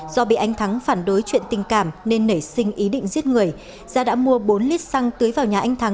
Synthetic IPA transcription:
z̥ɔ˧ɓḭ˧˨ʔa˧jŋ̟t̪ʰa˨˦ŋfaː˧˩nɗo˨˦jt͡ɕwḭ˧˨ənt̪ï˨˩ŋ̟kaː˧˩mne˧nːə˧˩jsï˧ŋ̟ʔi˨˦ɗḭ̈˧˨ŋ̟zi˦˥ət̚ŋɨ˨˩əj | zaː˧ɗa̰ː˧˥mu˧əɓo˨˦nli˦˥t̚sa˧ŋt̪ɨ˨˦jvaː˨˩wɲaː˨˩ʔa˧jŋ̟t̪ʰa˨˦ŋ

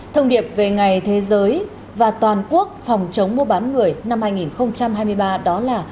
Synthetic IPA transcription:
t̪ʰə˧wŋ͡mɗi˨˩əp̚ve˨˩ŋa˨˩jt̪ʰe˨˦zəː˨˦j | vaː˨˩t̪waː˨˩nku˦˥ək̚fɔ˨˩wŋ͡mt͡ɕə˨˦wŋ͡mmu˧əɓaː˨˦nŋɨ˨˩əjna˧mhaː˧jŋi˨˩nxə˧wŋ͡mt͡ɕa˧mɦaː˧jmɨ˧əjɓaː˧ɗɔ˨˦laː˨˩

